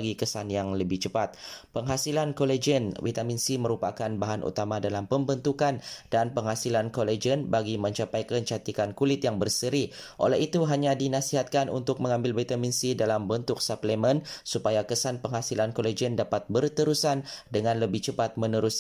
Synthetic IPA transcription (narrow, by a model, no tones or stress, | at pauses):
ɡikəsanjaŋləbɪht͡ʃəpat̪̚pəŋɦasilankoled͡ʒənwit̪aminsimə̃ɾupa̰kanbaɦanʔṵt̪amadalampəmbənt̪ukandanpəŋɦasilankoled͡ʒənbaɡimə̃ɲt͡ʃapajkəɲt͡ʃat̪ikankulɪt̪jaŋbərsəɾiʔo̰lɛɦit̪uɦaɲadinasiɦat̪̚kanṵnt̪ʊk̚mə̃ŋãmbɪlvit̪aminsidalambənt̪ʊk̚sapləmənsupajakəsanpəŋɦasilankoled͡ʒəndapat̪̚bərt̪əɾusandəŋãnləbɪht͡ʃəpat̪̚mənəɾus